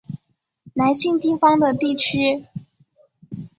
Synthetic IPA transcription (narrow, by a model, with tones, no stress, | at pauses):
na˧˥ɪɕi˥˧ŋt̪i˥˩fɑ˥ŋd̪ə˨t̪i˥˩t͡ɕʰy˥